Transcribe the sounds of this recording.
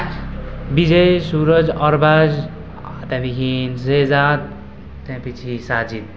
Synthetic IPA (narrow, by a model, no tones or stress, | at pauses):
bid͡ʒʌjsuɾʌd͡ʒʌɾbad͡ʒ | at̪ɛ̃b̪ikʰinsezad̪ | t̪ɛ̃pit͡ʃʰisaːd͡ʒid̪̚